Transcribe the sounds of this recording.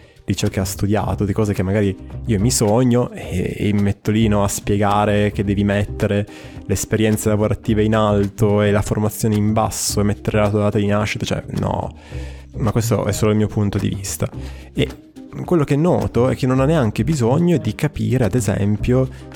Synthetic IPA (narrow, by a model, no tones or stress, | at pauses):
d̪̥it͡ʃɔkeast̪ud̪ja̰ːt̪od̪ikɔːzekemːaɡaːɾiiːomisoɲːoeḛmimet̪ːolinɔaspjeɡaːɾek̟ed̪ːɛːvimet̪ːeɾe | leːspeɾjɛnt̪selavoɾat̪ːiːveinalt̪oelaformat̪sːjoːneimba̰sːoemet̪ːeɾelasod̪aːt̪ad̪inaʃːit̪ot͡ʃɛ̰nɔ̰ | makwest̪o̰ʔɛsːoːloilmiːopunt̪od̪ḭvist̪a | e | kwelːokeɛnːɔ̰ːt̪oɛ̰kːenːonanːeaŋkebizoɲːod̪ikapḭːɾead̪ezɛ̰mpjo